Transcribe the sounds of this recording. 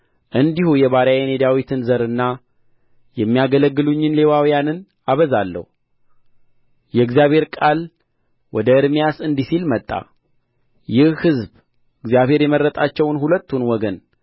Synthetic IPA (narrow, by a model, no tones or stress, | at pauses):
ʔɨnd̪ihujɛβaɾajene̞d̪awit̪ʰɨnzəɾɨnːa | jɛmːijaɡələɡːɨluɲːɨnle̞wawijanɨn | aβəzalːə̰hu | jɛɨɡzjaβhe̞ɾkʼal | wɔd̪əɨɾmijasɨnd̪isilmət̪ʼːa̰ | jɪhhɨzb | ɨɡzjaβhe̞ɾjɛməɾːət̪ʼat͡ʃːɛwnhulət̪ːunwɔɡən